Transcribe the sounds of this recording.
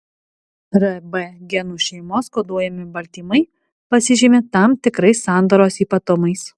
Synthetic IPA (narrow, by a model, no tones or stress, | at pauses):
ɾɐbɛɡʲɛnuːʃʲɛɪmoːskoːd̪uɔjɛmʲɪbɐlʲt̪ʲiːmɐɪ | pɐsʲɪʒʲiːmʲet̪ɐmt̪ʲɪkɾɐɪsɑˑnd̪oːɾoːsiːpɐt̪ʊmɐɪs